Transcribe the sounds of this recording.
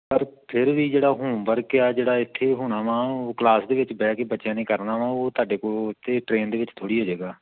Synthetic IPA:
pəɾpʰɪɾʋiːd͡ʒeːɽaːɦũːbəɾkɪaːd͡ʒeːɽaːɪt̪ʰːeːɦoːɽ̃aːʋãːoːklaːsd̪eːʋɪt͡ʃbɛːkebətːʃjãːnẽːkəɾnaːʋãːoːt̪aːɖeːkoːt̪ʰːeːʈɾeːnd̪eːʋɪt͡ʃt̪ʰoːɽiːɦoːd͡ʒeːɡaː

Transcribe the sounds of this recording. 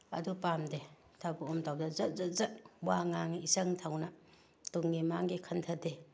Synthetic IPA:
ɐ̰dupamde | tʰabuomtʰawdazɐzazɐt̚waŋaŋisɐŋtʰawna | tuŋːimaŋɡekʰɐntʰɐde

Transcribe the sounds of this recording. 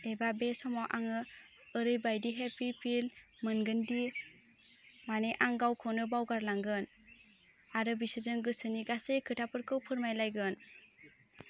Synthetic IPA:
ebabesɔmɔʔaŋɯː | ɾɯjbajdiɦepipʰil | mɯnɡɯndi | maneʔaŋɡawkʰɔnɯbawɡaɾlaŋɡɯn | aɾɯbisɯzɯŋɡɯsɯniɡasejkʰɯtʰapʰɯɾkʰɯwpʰɯɾmajlajɡɯn

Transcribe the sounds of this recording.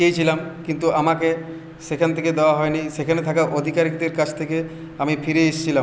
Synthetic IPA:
ejt͡ɕʰilamkint̪uʔamake | ʃekʰant̪ʰeked̪eoaɦɔeniʃekʰanet̪ʰakaʔod̪ʱikaɾik̚d̪eɾkad͡ʑt̪ʰeke | amifiɾeeʃt͡ɕʰila

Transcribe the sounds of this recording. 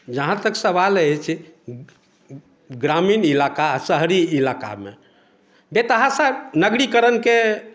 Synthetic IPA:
d͡ʒəɦãt̪əksəbalət͡ʃʰɛ | ɡɾaminilakasəɦɾiilaka̰me | bet̪əɦasanəɡɽikəɾənke

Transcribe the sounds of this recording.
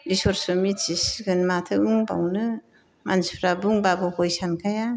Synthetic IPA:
ɾisɔɾsɯmit͡ʃisɡɯnmatʰɯɯŋba̰wnɯ | manspʰɾabuŋbabɯhɔjsankʰaja

